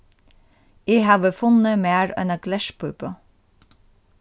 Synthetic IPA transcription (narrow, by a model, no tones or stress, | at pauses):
iːhɑːʋəfʊnəmeːɹɛ̰nɑɡ̥lɛʃpʰʉpə